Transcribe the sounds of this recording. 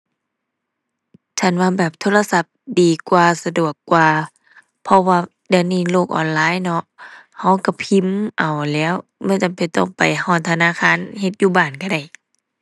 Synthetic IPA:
t͡ɕʰa˧˩nwaː˧˨bɛː˨˩p̚t̪ʰoː˧˥la˧sa˧˦p̚diː˨kwaː˧sa˧du˨˩əkːwaː˧ | pʰɔ˧waː˧ | dɯ˧niː˧˩˨loː˧˩k̚ʔɔ̰ː˨˩nlaː˨˦˨jnɔ˧ʔha˧˥wka˧˩pʰi˧˥˨mʔa˨˩wlɛː˧˥˨wmɛ˧˥˨nt͡ɕa˨mpe˧˨˩t̪ɔ˧˩ŋpa˨˩jhɔː˧˩nt̪ʰa˧naː˧˥˨kʰaː˧˥˨nhe˧t̪̚juː˧˩baː˨˩nka˧˩da˧˩j

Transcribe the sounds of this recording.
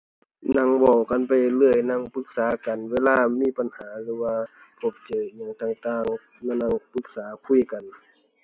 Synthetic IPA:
na˧˨ŋwɔ˧˩wka˨npa˨jlɯ˧˩əjna˧˩˨ŋpɯ˧˦k̚saː˨˦ka˨nweː˧˨laː˧˨miː˧˥˨pa˨nhaː˨˦lɯː˧˦waː˧ | kʰo˧˩p̚t͡ɕɤː˨˩˨ɲaː˧˨ŋt̪aː˧˨ŋt̪aː˧˩˨ŋ | na˧˨na˧˩˨ŋpɯ˧˦k̚saː˨˦kʰu˧˥˨jka˨n

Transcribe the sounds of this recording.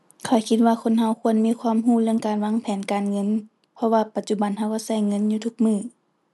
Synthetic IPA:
kʰa˨˧˩wkʰi˧t̪̚waː˧kʰo˧˥˨nɦa˧˩wkʰu˧˥ənmiː˧˥˨kʰwaː˧˥˨mɦuː˧˨lɯ˧əŋkaː˨nwaː˧˥˨ŋpʰɛː˨˦nkaː˨nŋɤ˧˥˨n | pʰɔ˧waː˧pa˨˧t̪̚t͡ɕu˧˩ba˨˩nha˧˩wkɔ˧˥˩sa˧˩˨jŋɤ˧˥˨njuː˧t̪ʰu˧˩k̚mɯː˧˩

